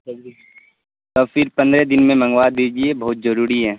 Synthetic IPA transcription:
t̪ɔːfɪɾpɐ̃nd̪ɾed̪ɪnmẽmɐ̃ŋɡwaːd̪iːd͡ʒiebɐɦʊt̪̚d͡ʒɐɾuːɾiɦɛː

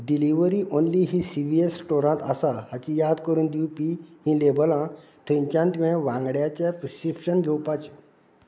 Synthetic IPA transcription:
ɖiliʋəɾiʔonliɦisiʋiesʈoɾãt̪əsaɦat͡ɕijad̪kəɾũːnd̪iupiːhĩːlebəlã | t̪ʰẽɲt͡ɕjãnt̪ʋẽʋãŋɡɽjat͡ɕjapɾəsipɕənɡʱɛwpat͡ɕe

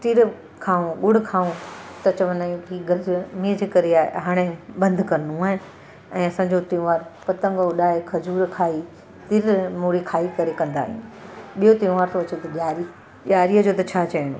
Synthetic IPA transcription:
ʈiɾ | kʰaːũɡʊɽkʰaːũt̪ɐt͡ɕɐʋnãkiːɡɐɾzmĩːəd͡ʑeːkɐɾeaːḛɦaːɽ̃ebɐ̃nd̪kɐɾənũaːɦɪnɪ̆ | ɛ̃ːɐsãːɲd͡ʑot̪ĩːʋaːɾpɐt̪ə̃ŋɡʊɗaːɦekʰɐd͡ʑuːɾkʰaːi | t̪ɪɾmuːɽikʰaːikɐɾekɐ̃nd̪a̰ːɦḭ̃ṵ̃ɓijot̪ĩːʋaːɾt̪ʰoɐt͡ɕet̪ɐʄaːɾi | ʄaːɾiːəd͡ʑoːt̪ɐt͡ɕʰaːt͡ɕɐiñṵ

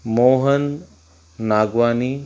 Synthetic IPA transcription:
moːɦənː | aːɡʋaːniː

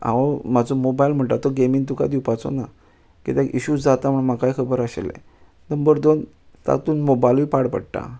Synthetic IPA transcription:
ã̰ʋomad͡zomobailm̤əɳʈ̪at̪ɔɡemiŋt̪̬uka̰d̪iwpat͡so̰na | kit̪ɛ̃kʔiɕud͡zat̪am̤əɳmakajkʰəbəɾəɕḛlḛ̃ | nəmbəɾd̪on | t̪a̰t̪uːnmobajlʋipaɽpə̰ɽʈa̰

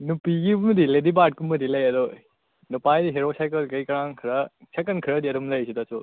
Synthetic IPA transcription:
nupiɡibumɐdiledibaɾt̚kumɐdilɐjɐdɔ | nupajdiɦeɾosajkɐlkɐjkɐɾaŋkʰɾɐsʰakɐnkʰiɾɐdiɐdɔmlɐjsidasu

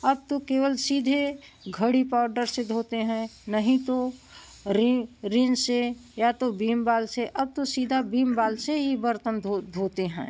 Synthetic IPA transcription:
əb̚t̪okeːʋəlsiːd̪ʱe | ɡʱəɽipaʊɾɖəɾsed̪ʱoːt̪eɦɛ̃nəɦĩt̪o | ɾiɾinsejat̪obiːmbaːlseʔəb̚t̪osiːd̪ʱabiːmbaːlseɦibəɾt̪ənd̪ʱod̪ʱoːt̪eɦɛ̰̃ː

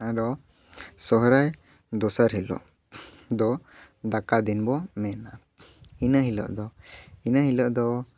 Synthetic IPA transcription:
ad̪ɔ | sɔɦɾaj | d̪ɔsaɾɦɛlɔ̰ʔ | d̪ɔ | d̪akad̪inbɔmɛna | inaɦilɔ̰ʔd̪ɔinaɦilɔʔd̪ɔ

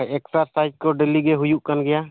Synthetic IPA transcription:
ɛksaɾsajd͡ʒkɔɖeliɡɛɦujuʔkanɡɛja

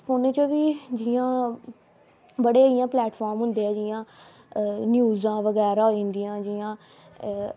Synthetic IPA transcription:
fʰoːneːt͡ʃəʋiːd͡ʒɪjãː | bəɽeːijãːplɛːʈfʰɔːɾmɦʊ̃nd̪eːɛːd͡ʒɪjãː | njuːzãːʋəɡɛːɾaːĩːnd̪ijãːd͡ʒiãː

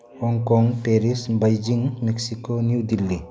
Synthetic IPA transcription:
hɔŋkɔŋteɾisbajd͡ʒiŋmek̚sikonjuwdilːi

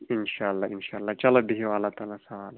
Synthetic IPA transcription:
ɪnʃaːɐlːaɪnʃaɐlːat͡ʃɐlabiɦewalat̪aːlasɐʋaːl

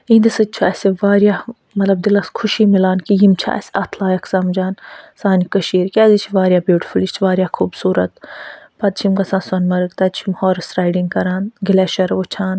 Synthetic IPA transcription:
ĩːnd̪ɐsɨt͡ʃʰuɛsʲeʋaːɾjaː | mɐt̪lɐb̚d̪ilɐskʰʊʃiːmilaːnkijimt͡ʃʰa̰ːɛ̰sɐt̪ʰlaːjɐkʰsɐmd͡ʒaːnsaːnikɐʃiːɾkʲɛːzit͡ʃʰiʋaːɾʲjaːbjuːʈi̥fulit͡ʃʰʋaːɾjaːkʰuːbsuːɾɐt̪̚pɐd̪̚t͡ʃʰimkɐsãːnsɐnmɐɾɨk̚t̪ɐd̪̚t͡ʃʰimhɔːɾɐsɾaːjɖiŋɡkɐɾaːnɡilɛːʃɐɾʋut͡ʃʰaːn

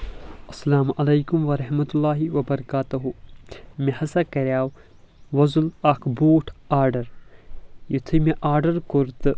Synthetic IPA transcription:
ɐsːɐlaːmʔɐlɐjkumʋɐɾɐɦmɐt̪ulːaːɦiʋɐbɐɾɐkaːt̪ɐɦumehɐsakɐɾʲjaːw | ʋɐzulɐkʰbuːʈʰaːɾɖɐɾ | jit̪ʰɨmeʔaːɾɖɐɾkuɾt̪ɨ

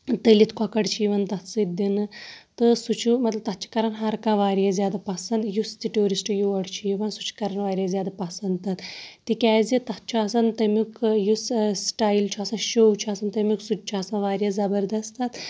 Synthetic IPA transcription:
t̪əlit̪ʰkʰɔkɐɽt͡ʃʰiʋɐnt̪ɐt̪sɨt̪d̪inɨt̪ɨsut͡ʃʰumɐt̪lɐb̚t̪ɐt̪̚t͡ʃʰi̥kɐɾɐnɦɐɾkãːʋaːɾjazjaːd̪apɐsɐnd̪just̪iʈoːɾisʈɨjuɐɽt͡ʃʰiːʋɐnsu̥t͡ʃʰkɐɾɐnʋaːɾjazʲjaːd̪apɐsɐnd̪̚t̪ɐt̪t̪ikʲɛːzit̪ɐt̪̚t͡ʃʰaːsɐnt̪ɐmukjussʈaːjlt͡ʃʰaːsɐnʃoːwt͡ʃʰaːsɐnt̪ɐmʲuksut͡ʃt͡ʃʰaːsɐnʋaːɾjazɐbɐɾd̪ɐst̪ɐt̪

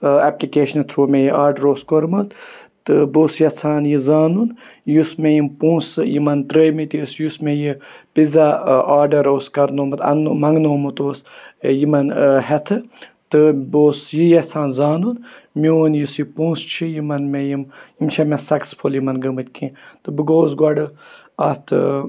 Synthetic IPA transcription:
aplikeːʃnt̪ʰɾoːmejiʔaːɾɖɐɾoːskoɾmɨt̪t̪ɨboːsjɐt͡sʰaːnjizaːnunjusmejimpõːsjimɐnt̪ɾəmit̪ʲisjusmejipizaaːɾɖɐɾoːskɐɾnoːmɨt̪ɐ̰nmɐŋɡnoːmɨt̪oːsjimɐnɦɛt̪ʰɨt̪ɨboːsjijɐt͡sʰaːnzaːnunmioːnjisjipũːst͡ʃʰijimɐnmejimjimt͡ʃʰɐmesɐkspʰoljimɐnɡɐmɨt̪ʲkĩːt̪ɨbɨɡoːs̬ɡwɐɖɨɐt̪ʰ

